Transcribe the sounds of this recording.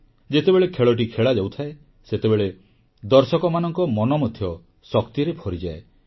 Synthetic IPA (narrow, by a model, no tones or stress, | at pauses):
d͡ʒet̪ebeɭekʰeɭɔʈ̬ikʰeɭad͡ʒawt̪ʰae | set̪ebeɭe | d̪ɔɾsɔkɔmanɔŋkɔmɔnɔmɔd̪ʱʰjɔ | sɔkt̪iɾepʰɔɾid͡ʒae